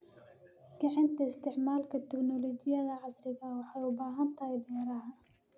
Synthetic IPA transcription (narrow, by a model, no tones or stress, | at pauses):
ɡ̥ɐʕɑnt̪ʰɐɪst̪ʰɪʕmaːlkʰɐt̪ʰɛknɔlɔt͡ʃɪjɐðɐʕɑsrɪɣɐwɑħɑjʊbaːɦɐnt̪ʰɐhɛjbɛːɾɐɦɐ